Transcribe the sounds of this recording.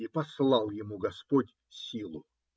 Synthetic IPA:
ipɐslˠɑlˠjɪmuɡɐspotʲ | sʲilˠʊ

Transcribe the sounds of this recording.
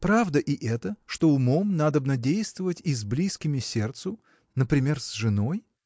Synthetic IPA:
pɾavd̪əʔɪʔɛt̪əʂt̪o̞ʊmo̞mnad̪əbnədʲejst̪vəvətʲizʲblʲiskʲɪmʲɪsʲe̞rt̪sʊ | nəpɾʲɪmʲe̞rzʐɨno̞j

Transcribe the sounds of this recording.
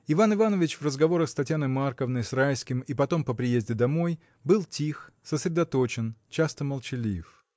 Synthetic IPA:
ɪvanɨvanəvʲɪt͡ɕvrəzɡɐvo̞ɾəxst̪ɐtʲjanəjmarkəvnəjsraɪlʲskʲɪmipɐt̪o̞mpəpɾʲɪjezʲdʲɪd̪ɐmo̞j | bɨlˠtʲix | səsɾʲɪd̪ɐt̪o̞t͡ɕɪnt͡ɕast̪əməlˠt͡ɕɪlʲif

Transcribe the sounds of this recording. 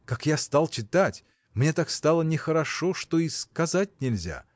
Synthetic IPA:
kakjast̪alˠt͡ɕɪt̪atʲ | mnʲe̞t̪akst̪alˠənʲɪxəɾɐʂoʂt̪oiskɐzat̚ʲnʲɪlʲzʲa̰

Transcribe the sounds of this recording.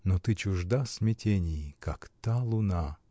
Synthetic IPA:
not̪ɨt͡ɕʊʐd̪asʲmʲɪtʲenʲɪjkakt̪alˠʊna

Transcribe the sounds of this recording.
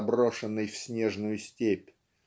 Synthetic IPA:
bɾoʂənːɨjfsʲnʲeʐnʊjʊsʲtʲepʲ

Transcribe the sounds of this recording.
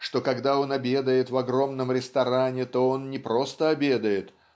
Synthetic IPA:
ʂt̪o̞kɐɡd̪ao̞nɐbʲe̞d̪əjɪt̪vɐɡɾo̞mnəmɾʲɪst̪ɐɾanʲɪt̪o̞o̞nnʲɪpɾo̞st̪əɐbʲe̞d̪əjɪt̪

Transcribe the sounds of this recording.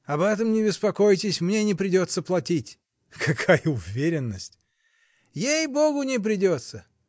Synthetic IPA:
ɐbɛt̪əmnʲɪbʲɪspɐko̞jtʲɪsʲmnʲenʲɪpɾʲɪdʲo̞t̪səplˠɐtʲitʲ | kʰɐkʰajəʊvʲeɾʲɪnːəsʲtʲ | jejboɡʊnʲɪp̬ɾʲɪdʲo̞t̪sə

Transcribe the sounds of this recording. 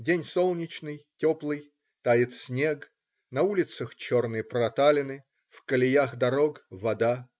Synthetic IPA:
dʲenʲsolˠnʲɪt͡ɕnɨjtʲoplˠɨj | t̪ajɪt̪sʲnʲe̞ɡ | nɐulʲɪt̪səxt͡ɕo̞rnɨjəpɾɐt̪alʲɪnɨ | fkəlʲɪjaxd̪ɐɾokvɐd̪a

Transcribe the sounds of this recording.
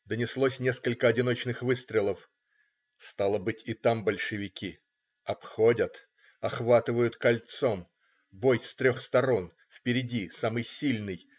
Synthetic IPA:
d̪ənʲɪslˠosʲnʲe̞skəlʲkəɐdʲɪno̞t͡ɕnɨxvɨst̪ɾʲɪlˠəf | st̪alˠəbɨtʲɪt̪ambəlʲʂɨvʲɪkʲi | ɐpxo̞dʲət̪ | ɐxvat̪ɨvəjʊt̪kɐlʲt̪so̞m | bojst̪ɾʲoxst̪ɐɾo̞n | fpʲɪɾʲɪdʲisamɨjsʲilʲnɨj

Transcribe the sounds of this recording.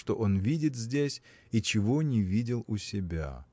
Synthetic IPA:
ʂt̪o̞ʔo̞nvʲidʲɪt̪zʲdʲesʲ | it͡ɕɪvonʲɪvʲidʲɪlˠʊsʲɪbʲa̰

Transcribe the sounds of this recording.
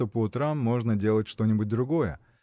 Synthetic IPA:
opəʊt̪ɾamːo̞ʐnədʲe̞lˠətʲʂt̪o̞nʲɪbʊt̚ʲd̪ɾʊɡo̞jə̰

